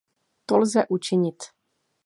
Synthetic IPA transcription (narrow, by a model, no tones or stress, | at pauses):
t̪olzɛʔut͡ʃɪɲɪt̪